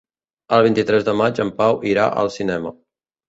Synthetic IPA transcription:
əlˠβ̞int̪it̪ɾɛzðəmad͡ʒəmpawʔiɾa̰ʔə̰lˠsinɛmə

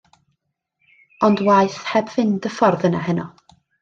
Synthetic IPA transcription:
ɔndwajθhɛbvɪndəfɔrðənaɦənɔ

